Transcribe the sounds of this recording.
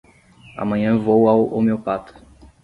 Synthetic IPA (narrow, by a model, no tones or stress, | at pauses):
a̰mɐ̃ɲɐ̃vowawmewpat̪ʊ̥